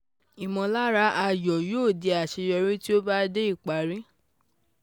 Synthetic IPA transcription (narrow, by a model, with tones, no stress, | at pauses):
i˨mɔ̃˧la˦ɾa˧˦ʔa˧jɔ˨jo˦˨de˨˧˦a˨ʃi˨˧ɾɛ˧ɾi˦ti˦o˦ba˦de˦i˦˨k͡pa˨ɾĩ˦